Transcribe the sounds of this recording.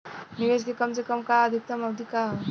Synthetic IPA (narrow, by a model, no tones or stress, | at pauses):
niʋeskekəmsekəmkaəd̪ʱik̚t̪əmɐd̪ika